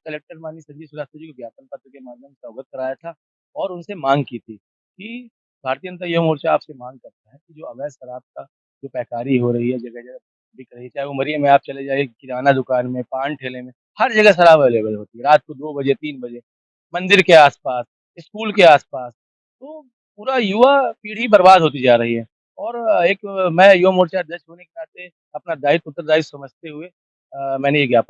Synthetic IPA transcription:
kɐleːk̚ʈəɾmaːnisɐd͡ʒisʊlaːt̪od͡ʒikebjaːt̪ənpɐt̪ɾəkemaːd̪ʱjəmsɔːɡət̪̚kɐɾaːjat̪ʰa | ɔːɾʊnsemãːŋɡkiːt̪ʰi | ki | bʱaːɾt̪ijə̃nt̪əjɐmoːɾt͡ʃaaːpsemãːŋɡ̚kɐɾt̪aɦɛkid͡ʒoːɐʋɛːʃɐɾaːb̚ka | d͡ʒoːpɛːkaːɾiɦoɾɐɦiɦɛd͡ʒɐɡɛd͡ʒɐɡ | bʱɪkɾɐɦiɦɛt͡ʃaːɦɛʋomɐɾiemẽaːp̚t͡ʃɐled͡ʒaːiekɪɾaːnad̪ʊkaːnmẽpãːnʈʰeːlemẽ | hɐɾd͡ʒɐɡəsɐɾaːʋaːleːbəlɦoːt̪iɦɛɾaːt̪̚kod̪oːbɐd͡ʒet̪iːnbɐd͡ʒe | mɐ̃nd̪ɪɾkeaːspaːs | ɪskuːlkeaːspaːs | t̪oː | puːɾajuapiːɽ̤ibɐɾbaːd̪ʱɦoːt̪̬id͡ʒaːɾɐɦiɦɛː | ɔːɾeːkmɛ̃juʋamoːɾt͡ʃad̪ɐɾʃɦoːnekenaːt̪e | ɐpnad̪aːɪt̪ʊt̪ːəɾd̪aːɪt̪sɐməd͡ʒʱt̪eɦʊe | mɛ̃ːnejeɡjap

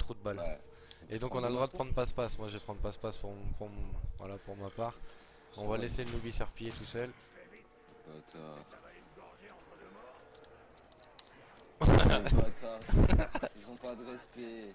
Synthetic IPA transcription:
t̪χod̪əbal | ed̪ɔ̃kɔ̃nald̪ʁwad̪əpχɑ̃d̪ʁəpaspasmwaʒəvepχɑ̃d̪ʁpaspaspuʁpuvwa̰lapuʁmapaʁ | ɔ̃valeselənubisɛʁpijet̪usœl | pat̪a | at̪a | izɔ̃pad̪ʁɛspɛ

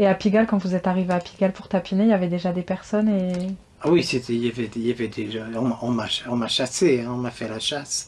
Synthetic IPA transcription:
eapiɡʲalkɑ̃vuzɛt̪aʁiveapi̥ɡalpuʁt̪apinejavɛd̪eʒad̪epɛʁsɔne | awiset̪ʰɛiljavɛijavɛd̪eʒaɔ̃maɔ̃maʃɔ̃maʃaseɛ̃ɔ̃mafɛlaʃas

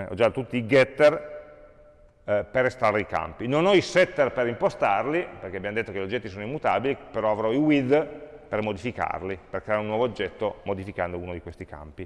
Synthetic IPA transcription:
ɔ̰d͡ʒat̪ot̪ut̪ːiːɡɛt̪ːer | perest̪ɾaɾeika̰mpinonɔisɛt̪ːerpeɾimpost̪arliperkeabjamod̪et̪ːokeʎod͡ʒːɛt̪ːisoːnoimːut̪abilipeɾɔavɾɔiwid̪permod̪ifika̰rliperkɾeaɾunːwɔːvoːd͡ʒːɛt̪ːomod̪ifikand̪ouːnod̪ikwest̪ika̰mpi

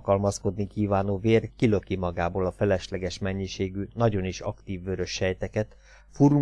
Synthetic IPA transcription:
kɒlmɒsko̞d̪nikiːvaːnoːveːrkilø̞kimɒɡaːboːlɒfɛlɛʃlɛɡɛʃmɛɲːiʃeːɡynɒɟo̞niʃɒ̰kt̪iːvːøɾø̞ʃhɛjt̪ɛkɛt̪ | fuɾu

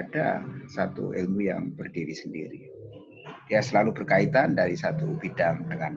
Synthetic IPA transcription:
ada̰sat̪ṵḛlmuja̰ŋbərdiwisəndḭɾḭ | d̥iasəlalubərkait̪andaɾisat̪ubidaŋt̪əŋan

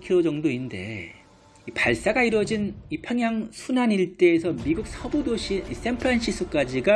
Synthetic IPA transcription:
kʰiod͡ʑʌŋdoinde̞̰ | ipaɭs͈aɡaiɾwʌd͡ʑinipʰjʌŋɦjaŋsʰunaniɭt͈e̞ːsʰʌmiɡuk̚sʰʌbodoɕʰiis͈ʰempʰɯɾanɕʰis͈ʰɯk͈ad͡ʑiɡa

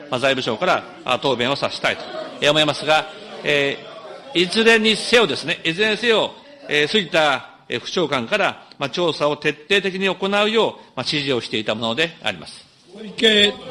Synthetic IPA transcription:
mazaibɯ̟ɕo̞ːkaɾa | a̰t̪o̞ːbẽ̞ɰ̃o̞saɕi̥t̪ait̪o̥eomo̞imasɨɡaeː | izɨɾẽ̞ɲ̟ːise̞o̞d̪e̞sɨne̞ʔizɨẽse̞o̞ | eːsɨɡʲit̪a | ḛɸɯ̟̥ɕo̞ːkãŋkaɾamat͡ɕo̞ːsao̞t̪e̞t̪ːe̞ːt̪e̞kʲiɲ̟io̞ko̞naɯ̟jo̞ːmaɕiʑio̞ɕi̥t̪e̞it̪amo̞no̞d̪e̞a̰ɾʲima̰sɨ̥ | ke

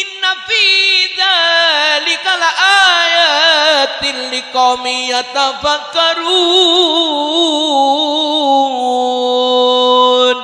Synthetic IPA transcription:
ɪnːafiðalikalaʔajat̪ilːikɔmijat̪abakaɾu | n

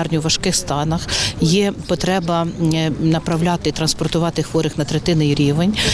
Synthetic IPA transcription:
rnʲʊʋɐʃkɪxst̪ɑnɐxjɛpɔt̪ɾɛbɐnɐpɾɐwlʲaɑt̪ɪt̪ɾɐnspɔrt̪ʊʋɑt̪ɪxʋɔɾɪxnɐt̪ɾet̪ɪnɪiɾʲiʋenʲ

